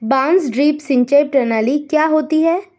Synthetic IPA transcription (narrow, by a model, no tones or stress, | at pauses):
bãːnsɖɾiːpsɪ̃ɲt͡ʃaɪp̚ʈɛːnaːlikjaːɦoːt̪iɦɛː